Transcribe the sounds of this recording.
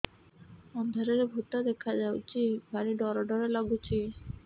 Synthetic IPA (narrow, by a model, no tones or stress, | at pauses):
ɔnd̪ʱaɾeɾebʱut̪ːad̪ekʰːad͡ʑawt͡ɕibaɾiɖɔɾoɖɔɾelɔɡut͡ɕi